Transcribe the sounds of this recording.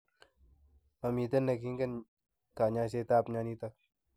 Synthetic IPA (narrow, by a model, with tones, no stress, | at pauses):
a˨mi˨t̪ɐ˦nːɐ˨ki˦ŋɡɐ˦n | kaː˨ɲa˦s̬e˦t̪a˦˨pɲa˧niː˦t̪a˦k̚